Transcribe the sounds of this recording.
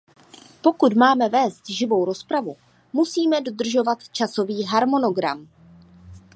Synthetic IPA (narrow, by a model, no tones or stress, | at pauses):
po̞kut̪maːmɛvɛːst̪ʒɪvo̞wɾo̞spɾavu | musiːmɛdo̞d̪r̩ʒo̞vat̪t͡ʃaso̞viːɦaɾmo̞no̞ɡɾa̰m